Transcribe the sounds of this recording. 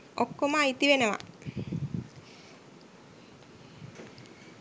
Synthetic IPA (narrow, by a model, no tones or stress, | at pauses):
okːomaːit̪iʋenəʋa̰